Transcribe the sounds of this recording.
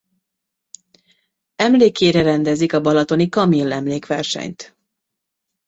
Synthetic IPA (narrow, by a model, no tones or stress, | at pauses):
ɛmleːkeːɾɛɾɛnd̪ɛzikɒbɒlɒt̪o̞nikɒmilːɛmleːkʋɛrʃɛ̰ɲt̪